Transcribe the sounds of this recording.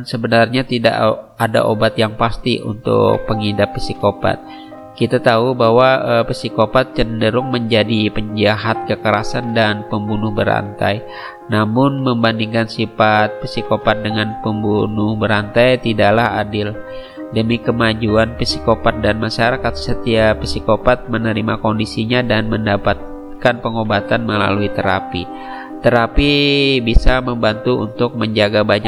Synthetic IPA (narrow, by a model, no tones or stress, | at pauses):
nsəbənarɲat̪ida̰ʔ | ada̰ʔobat̪jaŋpast̪iʔṵnt̪ʊ̰kpəŋidapːisikopa̰t̪̚ | kit̪at̪aubaɦwaəpəsikopat̪̚t͡ʃəndəɾʊŋməɲd͡ʒadipəɲd͡ʒaɦat̪̚kəkəɾasandanpəmbunʊhbəɾa̰nt̪a̰j | namʊnməmbandiŋkansifat̪̚fisikopat̪̚dəŋanpəmbunʊhbəɾant̪ajt̪idaʔlahadɪl | dəmikəmad͡ʒuanpəsikopat̪̚danmaʃaɾakat̪̚sət̪iapəsikopat̪̚mənəɾimakondisiɲadanməndapat̪̚ | kanpəŋobat̪anməla̰luit̪əɾa̰pi | t̪əɾapibisaməmbant̪uṵnt̪ʊk̚məɲd͡ʒaɡabaɲa